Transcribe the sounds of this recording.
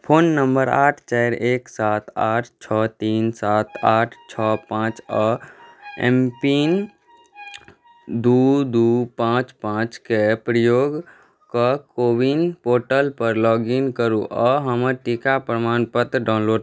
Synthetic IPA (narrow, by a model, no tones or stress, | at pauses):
pʰoːnːəmbəɾaːʈʰt͡ʃaːɾeːksaːt̪aːʈʰt͡ʃʰɔːt̪iːnsaːt̪ʰaːʈʰt͡ʃʰɔːpãːt͡ʃɔ | ɛ̰̃mpin | d̪uːd̪uːpãːt͡ʃpãːt͡ʃkepɾəjoːɡ | kakoːbinpoːɾʈəlpəɾlɔːɡinkəɾuʔɔːɦəməɾʈikapɾəmaːnpət̪ɖaːnloːɖ